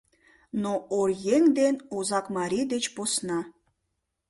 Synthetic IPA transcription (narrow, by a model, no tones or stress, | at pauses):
noorjeŋd̪enozɑkmɑɾʲid̪et͡ɕposnɑ